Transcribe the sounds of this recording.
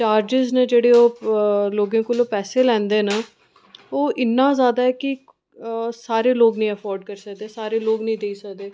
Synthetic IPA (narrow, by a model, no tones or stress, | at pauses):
t͡ʃaːɾd͡ʒɪzned͡ʒeːɽeːoːloːɡãːkoloːpɛːseːlɛ̃ːnd̪eːnaː | oːʔɪnːãːzjaːd̪aːɛːkɪ | saːɾeːloːɡnəĩːəpʰɔːɾɖkəɾsəkd̪eːsaːɾeːloːɡnəĩːd̪eiːsəkd̪eː